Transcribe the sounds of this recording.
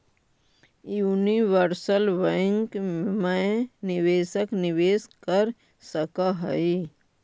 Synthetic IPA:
juːniʋəɾsəlʋəɪ̃ŋkmənɪʋeːsəknɪʋeːskəɾ | səkaɦəi

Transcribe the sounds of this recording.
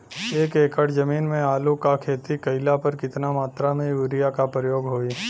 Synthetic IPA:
eːkeːkʰəɽzɐmiːnmẽaːlukakʰeːt̪ikɐɪlapəɾkɪt̪namaːt̪ɾamẽuːɾijakapɾəjoːɡɦoːiː

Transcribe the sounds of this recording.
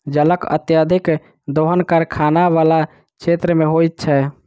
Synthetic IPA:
d͡ʒələkə̰t̪jad̪ʱik | d̪oɦənkəɾkʰanaʋala | t͡ʃʰet̪ɾəmeɦojt̪̚t͡ʃʰɛ

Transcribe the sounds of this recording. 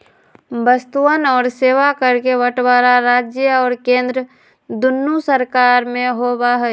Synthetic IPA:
bəst̪uənɔːɾseːʋakəɾkeʋəʈbaːɾaɾaːd͡ʒjəɔːɾkẽːnd̪ɾə | d̪ʊnːusəɾkaːɾmẽɦoːbaɦɛ

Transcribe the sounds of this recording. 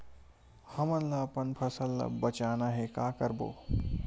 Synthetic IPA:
hɐmənlaːpənpʰɐsəlːa̰bɐt͡ʃaːnaɦekaːkəɾbo̰ː

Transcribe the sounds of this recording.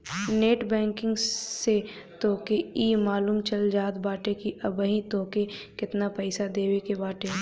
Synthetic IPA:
neːʈbɛ̃ːŋkɪ̃ŋɡse | t̪oːkeiːmaːluːmt͡ʃɐld͡ʒaːt̪baːʈekiʔɐbəɦĩt̪oːkekɪt̪napɛɪsad̪eːwekebaːʈe

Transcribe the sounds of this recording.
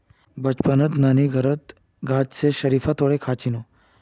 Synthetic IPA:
bət͡ɕpənət̪naniɡʱəɾət̪ | ɡad͡ʑseɕəɾifat̪ʰoɽekʰat͡ɕino

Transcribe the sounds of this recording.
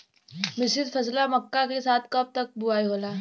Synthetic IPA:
mɪsɪd̪fʰɐslamɐkːakesaːt̪ʰkɐp̚t̪ɐk̚bʊaːiɦoːlaː

